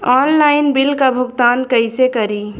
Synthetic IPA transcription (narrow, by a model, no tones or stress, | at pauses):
ɔːnlaːɪnbɪlkabʱʊɡt̪aːnkəɪsekəɾi